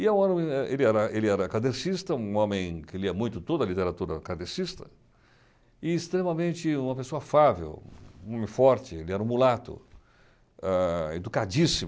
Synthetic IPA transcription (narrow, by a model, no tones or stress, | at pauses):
ɪɛũãõmẽɛʔelɪɛɾɐelɪɛɾɐkad̪eɾsist̪ɐũõmẽj̃kɪliɐmũj̃t̪ʊt̪od̪ɐlit̪eɾat̪uɾɐ̰kad̪eɾsist̪ɐ | ɪːst̪ɾemɐmẽnt͡ʃɪũmɐpesoɐafavḛwũõmẽj̃fɔɾt͡ʃɪelɪɛɾɐũmulat̪ʊ̰ | ɛḛd̪ukad͡ʒisimʊ